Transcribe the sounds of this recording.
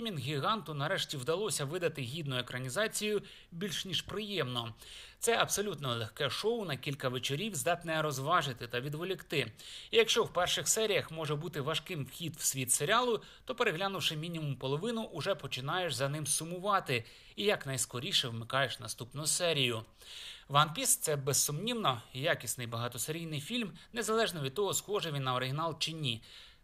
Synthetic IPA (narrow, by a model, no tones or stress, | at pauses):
mʲinɣʲiɦɑnt̪ʊnɐɾɛʃtʲiwd̪ɐlˠɔsʲɐʋɪd̪ɐt̪ɪɦʲid̪nʊjekɾɐnʲizɑt͡sʲijʊ | bʲilʲʃnʲiʃpɾɪjɛmnɔt̪sɛʔɐbsɔlʲut̪nɔlˠɛxkɛʃɔʊnɐkʲilʲkɐʋet͡ʃɔɾʲiwzd̪ɑt̪nɛɾɔzʋɑʒɪt̪ɪt̪ɐʋʲid̪ʋɔlʲɪkt̪ɪijɐkʃt͡ʃɔwpɛrʃɪxsɛɾʲijɐxmɔʒɛbut̪ɪʋɐʃkɪmwxʲid̪w̥sʲʋʲit̪seɾʲɪɑlˠʊ | t̪ɔpeɾeɦlʲanʊwʂɪmʲinʲimʊmpɔlˠɔʋɪnʊʔʊʒɛpɔt͡ʃɪnɑjeʃzɐnɪmsʊmʊʋɑt̪ɪ | ijɐknɐjskɔɾʲiʃɛwmɪkɑjeʃnɐ̰st̪upnʊsɛɾʲijʊ | ʋɐnpʲist̪sɛbessːʊmnʲiwnɔjakʲisnɪjbɐɦɑt̪ɔseɾʲijnɪjfʲilʲmnezɐlˠɛʒnɔʋʲid̪̚t̪ɔɦɔsxɔʒɛʋʲinːɐɔɾɪɦʲɪnɑlˠt͡ʃɪnʲːi